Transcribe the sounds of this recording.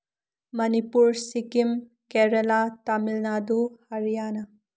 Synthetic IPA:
mɐnipuɾsikim | keɾelatamilnaduhaɾijanɐ

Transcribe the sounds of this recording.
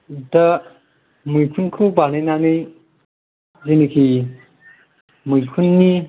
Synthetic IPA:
da | mujkʰunkʰɾuwbanajnanɯj | zenikʰi | mujkʰunːi

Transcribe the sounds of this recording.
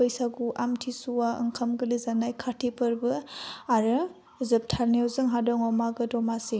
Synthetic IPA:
ɯjsaɡuʔamtʰisuwaɯ̰ŋkʰɐmɡɯlizanajkʰatʰipʰɯɾbɯaɾɯ | zɯp̚tʰaɾniɔzɯŋɦadɔŋɔmaɡɯdɔmasi

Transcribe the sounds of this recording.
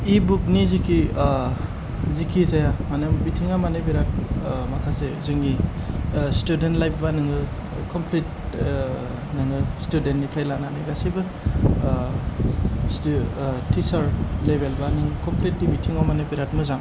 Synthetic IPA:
ibuk̚nizikʰi | zikʰizajamanembitʰiŋamanebiɾat̚makʰasezɯŋi | studentlajbbanɯŋɯ | kʰɔmpʰlit̚ | nɯŋɯstudentnipʰɾajlananajɡasibɯ | s | tisaɾlebelbanɯŋkɔmplit̚dibitʰiŋamanebiɾatmɯzaŋ

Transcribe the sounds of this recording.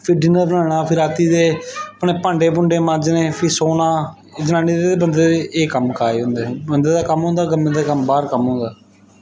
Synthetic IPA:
pʰɪɾɖɪnəɾbənaːɽ̃aːpʰɪɾaːt̪iːd̪eːəpneːpaːɳɖeːpʊɳɖeːmãd͡ʒnẽːpʰɪɾsoːnaː | d͡ʒənãːniːd̪eːeːbənd̪eːeʔeːkəmkaːeːɦʊ̃nd̪eːbənd̪eːd̪aːkəmɦʊ̃ːnd̪aːɡəmːẽːd̪aːkəmbaːɾkəmɦʊ̃ːnd̪aː

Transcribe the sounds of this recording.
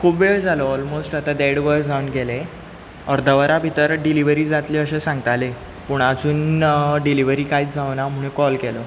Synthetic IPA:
kʰupʋeɭd͡zʱaloɔlmosʈat̪ad̪eɽʋəɾd͡zʱaunɡɛle | əɾd̪ʱəʋəɾabʱit̪əɾɖiliʋəɾiːd͡zat̪liːəɕẽsãŋɡt̪ale | puɳad͡zuːnɖiliʋəɾiːkaiːt͡sd͡zawnam̤əɽ̃ũkɔlkɛlo

